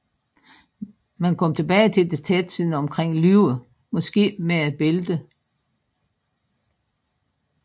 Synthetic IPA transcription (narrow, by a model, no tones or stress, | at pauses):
mænkʰɒ̽m̰t͡sʰe̝b̥ɛːɪt͡sʰe̝ld̥e̝t͡sʰed̥t͡sʰið̰ˠn̩ɒ̽mkʰʁeŋ̰lyʊ | mɒ̽sɡ̥e̝̰ːmeæ̥b̥e̝ld̥ə